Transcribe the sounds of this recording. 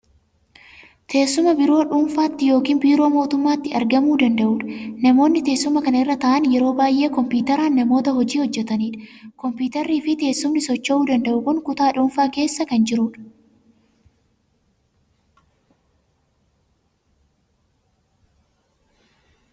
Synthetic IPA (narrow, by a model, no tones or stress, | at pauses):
t̪ʰe̞ːsːʊmɐbɪɾo̞ːᶑuːnfaːt̪ːɪjo̞ːkiːnbiːɾo̞ːmo̞ːt̪ʊmːaːt̪ːɪɐɾɡɐmuːd̪ɐnd̪ɐʔuːᶑɐ̥nɐmo̞ːnːɪt̪eːsːʊmɐkɐnɐɪrːɐt̪ɐʔɐnjɛɾo̞ːbaːjʔe̞ːkɔmpiːt̪ɐɾaːnːɐmo̞ːt̪ɐhɔd͡ʒiːhɔd͡ʒːɛt̪ɐniːᶑɐ̥kɔmpiːt̪ɐɾːiːfɪt̪e̞ːsːʊmnɪsɔt͡ʃːɐʔuːd̪ɐnd̪ɐʔʊkʊŋkʊt̪aːᶑuːnfaːke̞ːsːɐkɐnd͡ʒɪɾuːᶑɐ̥